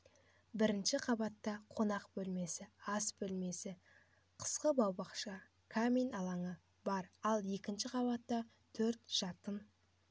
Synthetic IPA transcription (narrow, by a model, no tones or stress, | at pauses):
bɪɾɪnʃɪqʰɑbɑt̪ːɑqʰo̞nɑqbɵlme̞sɪɑsbɵlme̞sɪ | qʰə̥sqəbɑwbɑqʃɑ | kʰamijnɑlˠɑɴə | bɑɾɑlˠje̞kʲɪnʃɪqʰɑβɑt̪ːɑ | t̪ʰɵɾt̪ʒ̥ɑt̪ən